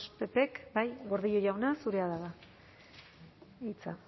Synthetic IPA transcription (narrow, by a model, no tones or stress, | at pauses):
spe̞pe̞kbajɡo̞ɾðiʎoʝawnasuɾe̞aðaɣa | it͡sa